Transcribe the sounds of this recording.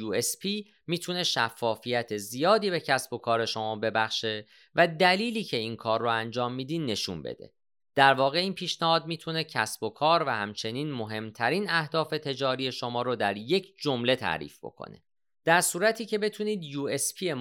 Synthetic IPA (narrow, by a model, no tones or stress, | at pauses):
uespʰi | miːt̪ʰune̞ʃæfːɒːfijæt̪ʰe̞zijɒːd̪iːbe̞cʰæsb̥o̞kʰɒːɾe̞ʃo̞mɒːbe̞bæxʃe̞ | væd̪æliːliːcʰe̞inkʰɒːrːoænd͡ʒɒːmːiːd̪iːd̪nːe̞ʃṵnbḛd̪e̞̰ | d̪̥æɾvɒːɣe̞iːnpʰiːʃnæhɒːd̪̚miːt̪ʰune̞cʰæsbo̞kʰɒːɾvæhæmt͡ʃʰe̞niːnmo̞ɦe̞mt̪ʰæɾiːnæhd̪ɒːfe̞t̪ʰe̞d͡ʒɒːɾije̞ʃo̞mɒːɾod̪æɾje̞cʰd͡ʒomle̞t̪ʰæ̰ːɾḭːfb̥o̞̰kʰo̰ne̞̰ | d̪̥æɾsuːɾæt̪ʰiːce̞be̞t̪ʰuniːd̪juːe̞spʰie